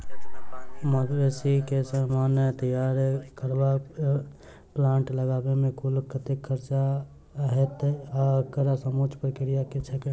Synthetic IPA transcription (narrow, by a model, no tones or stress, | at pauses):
məʋesikesəmaːnt̪əjaːɾkəɾba | plãːɳʈləɡaːbemẽkulkət̪ɪkʰəɾt͡ʃa | ɦet̪akəɾasəmoːt͡ʃpəɾkɪɾijaket͡ʃʰəke